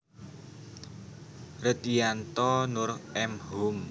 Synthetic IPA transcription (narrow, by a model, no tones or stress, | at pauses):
ɾət̪ijant̪ɔnʊɾɛmɦum